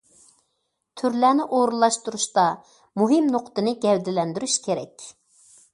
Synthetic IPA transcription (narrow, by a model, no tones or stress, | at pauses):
t̪ʰyɾlæːnɪʔoɾulˠːɑʃt̪uɾuʃt̪ɑ | muɦɪmnoqʰt̪ɨnɪɡʲɛwd̪ɪlɛnd̪yɾyʃkʲʰeɾɛ̰kʲ